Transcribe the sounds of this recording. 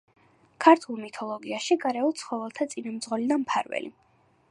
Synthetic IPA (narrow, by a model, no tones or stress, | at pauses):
kʰaɾt̪ʰulˠmit̪ʰɔlˠɔɡiaʃiɡaɾɛulˠt̪sʰχɔvɛlˠt̪ʰat̪sʼinamd̪zʁɔlid̪ampʰaɾvɛ̰lḭ